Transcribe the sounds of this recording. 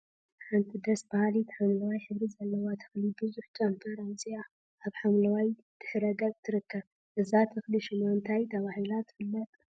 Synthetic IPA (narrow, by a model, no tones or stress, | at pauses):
ħant̪ʰid̪ɐsbahalit̪ħamlɐwajħɨβɾizɐlːɐwot̪ʰɨ̥xlibɨzuħd͡ʒʼanfʰɐɾajsia | ʔaβħamlɐwaj | d̪̥ɨħɾɐɡɐβt̪ʰɨɾɨkːɐβ | ʔɨzat̪ʰɨxliʃɪnoɨnt̪ʰajt̪ʰɐβahilat̪ːfɨlːɐt̪ʼ